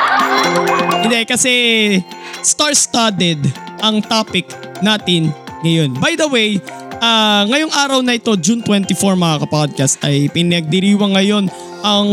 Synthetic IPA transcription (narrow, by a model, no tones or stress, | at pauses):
ʔɪnd̪ɛkɐsɛ | st̪aɹst̪aɹt̪ɛd̪ | ʔɐŋt̪aːpɪk̪ː | aːt̪ɪnŋɐjo̞nbajd̪ɐwej | ʔaŋɐjoŋʔaːɾɐwnɐʔɪt̪o̞d͡ʒunt̪wɛnt̪ɪfoɹmɐŋakɐpad̪̚kɐst̪̚ʔɐjpɪnɐɡ̚d̪ɪɾiːwɐŋːɐjo̞n | ʔɐŋ